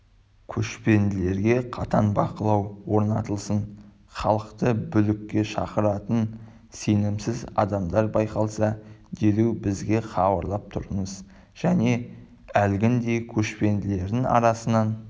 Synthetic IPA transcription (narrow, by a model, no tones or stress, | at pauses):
kʲʰɵʃpe̞nd̪ɪle̞ɾɡʲe̞qʰɑt̪ɑnbɑqəlˠɑwwo̞ɾnɑt̪əlˠsən | χɑlˠəqt̪əbʏlɪkʲːe̞ʃɑ̰qəɾɑt̪ən | se̞nɪmsɪzɑ̰d̪ɑmd̪ɑɾbɑjqɑlˠsɑd̪elewbɪzɡʲe̞χɑbɑɾlˠɑp̚t̪ʰʊɾəɴəz | ʒ̥æne̞ | ælɡʲɪnd̪e̞kʲʰɵʃpe̞nd̪ɪle̞ɾd̪ɪŋɑ̰ɾɑsənɑn